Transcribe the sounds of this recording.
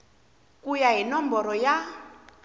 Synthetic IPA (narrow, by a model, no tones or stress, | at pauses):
kujaɦinɔmbɔɾɔja